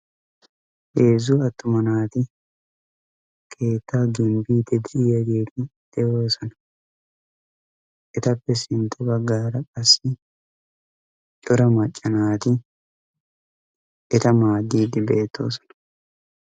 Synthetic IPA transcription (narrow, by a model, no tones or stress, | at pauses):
ʔe̞ːzʊɐt̪ːʊmɐnaːt̪ɪ | kʰe̞ːt̪ːaːɡɪmbiːd̪ɪd̪ɪɪjɐɡeːd̪ɪd̪̥ɛjo̞ːsɐnɐ | ʔɛt̪ɐpːɛsɪnt̪ʼːɛbɐɡːaːɾɐkʼɐsːɪ | t͡ʃʼɔɾɐmɐt͡ʃʼːɐnaːt̪ɪ | ʔɛt̪ɐmaːd̪iːd̪ɪbeːt̪ːo̰ːsɔ̥nɐ̥